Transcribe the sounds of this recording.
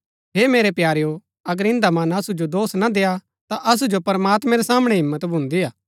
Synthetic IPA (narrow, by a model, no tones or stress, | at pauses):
ɦeːmeːɾepjaːɾejo | ɐɡəɾɪ̃nd̪amɐnɐsud͡ʒod̪oːsnad̪eːa | t̪aʔɐs̬ud͡ʒopɐɾmaːt̪mɛ̃ɾesaːməɽ̃eɦɪmːət̪bʱʊ̃nd̪iaː